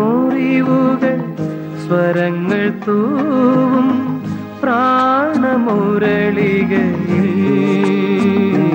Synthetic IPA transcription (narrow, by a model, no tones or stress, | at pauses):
oɾiʋuɡɐɭ | sʋɐɾɐŋɡɐɭt̪uːʋum | pɾaːɳɐmoːɾɐɭiɡɐi